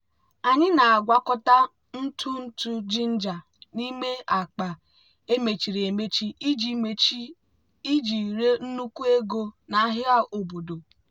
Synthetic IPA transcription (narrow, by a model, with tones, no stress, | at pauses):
a˨ɲɪ˦na˨a˨ɡʷa˨kɔ˦ta˦ | n̩˦tʰu˦n̩˦tu˦d͡ʒi˦n̩˦d͡ʒa˨ | ni˦me˦a˨k͡pa˨ | e˦me˨t͡ʃi˨ɾi˨e˨me˦t͡ʃi˦d͡ʒ | i˦d͡ʒi˨ɾe˦n̩˦nu˦ku˦e˦ɡo˦na˨a˦ɦɪ˦a˦ʔo˨bo˨do˨